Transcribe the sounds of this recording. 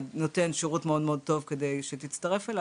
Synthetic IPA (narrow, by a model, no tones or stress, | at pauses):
dnote̞nʃeʁutmeo̞dmeod̪̚t̪o̞vke̞de̞jʃet̪it͡st̪ɐʁe̞fela